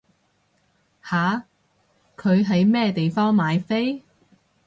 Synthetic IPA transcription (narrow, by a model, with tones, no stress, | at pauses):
haː˨˧ | kʰɵ˨˧ɥɦɐ˨˧jmɛː˥t̪e˨jfɔː˥ŋmaː˨˧jfe˥j